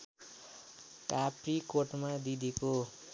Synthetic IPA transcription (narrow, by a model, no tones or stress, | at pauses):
kaprikoʈmad̪id̪ʱiko